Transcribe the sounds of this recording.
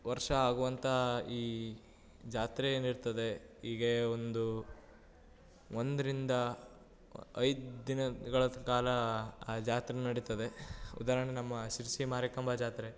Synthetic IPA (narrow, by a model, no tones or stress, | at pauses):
ʋɐɾʂɐaːɡuʋɐnt̪ʰɐiː | d͡ʒaːt̪ɾeeːniɽt̪ɐd̪e̞iːɡe̞ond̪u | ond̪ɐɾind̪ɐ | ɐjd̪d̪inɐɡɐɭɐkaːlɐd͡ʒaːt̪ɾennɐɽit̪ɐd̪e̞ṵd̪aːɾɐɳenɐmːɐʃiɾsimaːɾɐkɐmbʱad͡ʒaːt̪ɾe